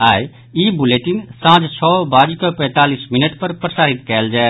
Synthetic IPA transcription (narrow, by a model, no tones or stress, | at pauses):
aːi | ibuleːʈinsãːt͡ʃt͡ʃʰɔːbaːd͡ʒikəpɛ̃ːt̪aːlismɪnəʈpəɾpɾəsaːɾit̪kɛːld͡ʒaːe